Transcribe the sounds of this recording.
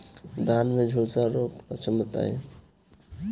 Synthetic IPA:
d̪ʱanmed͡ʒʱulsaɾokpət͡ʃʰəmət̪a̰e

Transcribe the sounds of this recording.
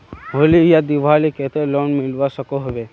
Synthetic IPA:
ɦolijad̪iʋʱaːliket̪eloːnmɪlʋasəkoɦɐʋe

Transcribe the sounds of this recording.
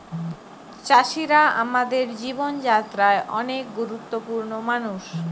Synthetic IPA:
t͡ɕaʃiɾaa̰mad̪eɾd͡ʑibond͡ʑat̪ːɾaeʔɔ̰nek̚ɡuɾut̪ːopuɾnomanuʃ

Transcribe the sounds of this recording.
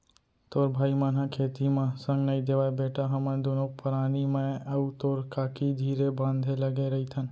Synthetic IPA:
t̪oːɾbʱaːimaːnakʰeːt̪imẽsə̃ŋɡnəĩd̪eːʋaːebeːʈʰaɦəmə̃d̪oːnopəɾaːnimẽəut̪oːɾkaːkʰid̪ʱiːɾebãːnd̪ʱeləɡeɾɐɦit̪ʰən

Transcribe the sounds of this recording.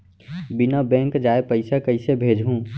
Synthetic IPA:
bɪnabɛ̃ːŋkd͡ʒaːepəɪsakəɪsebʱeːd͡ʒɦũ

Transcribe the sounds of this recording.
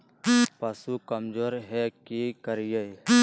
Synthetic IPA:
pɐsukɐmd͡ʒoːɾɦɛkikəɾije

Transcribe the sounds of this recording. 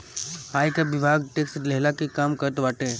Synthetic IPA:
haːjkaʋɪbʱaːɡʈeːkslɛɦlakikaːmkɐɾt̪ʋaːʈẽ

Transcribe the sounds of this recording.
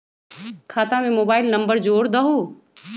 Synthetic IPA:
kʰaːt̪amẽmoːbaːɪlnɐ̃mbəɾd͡ʒoːɽd̪ɐɦo

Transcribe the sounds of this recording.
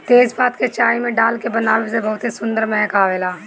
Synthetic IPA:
t̪eːzpaːt̪ket͡ʃaːimẽɖaːlkebɐnaːlɪsebɐɦʊt̪esʊ̃nd̪əɾmɛɦəkaːʋeːlaː

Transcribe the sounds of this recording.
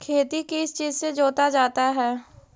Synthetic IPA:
kʰeːt̪ikiɪst͡ʃiːzsed͡ʒoːt̪ad͡ʒaːt̪aɦɛː

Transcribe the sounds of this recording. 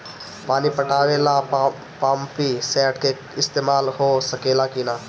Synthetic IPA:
paːnipəʈaːʋeːlaː | paːmpiːsɛːʈkeː | ɪst̪eːmaːlhoːsəkeːlaːkinaː

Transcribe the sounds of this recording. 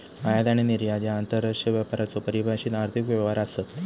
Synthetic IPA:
ajad̪aɽ̃iniɾjad͡ʑjaːnt̪əɾaʂəʋjapaɾat͡sopəɾibaaɕiːnaɾt̪ʰikʋjeʋaɾasət̪

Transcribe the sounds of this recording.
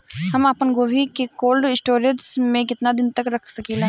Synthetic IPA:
ɦɐmaːpənɡoːʋikekoːlɖɪsʈoːɾeʈsmẽkɪt̪nad̪ɪnt̪ɐkɾɐkʰsɐkila

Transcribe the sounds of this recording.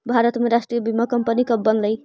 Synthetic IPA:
bʱaɾət̪meɾasʈɾijebimakəmpənikəbənləj

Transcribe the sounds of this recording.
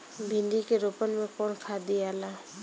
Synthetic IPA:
bʱɪ̃nd̪ikeɾoːpənmẽkɔːnkʰaːd̪iaːlaː

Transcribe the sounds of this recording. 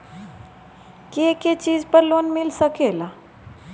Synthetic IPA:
keket͡ɕiːd͡zpəɾloːnmilsəkela

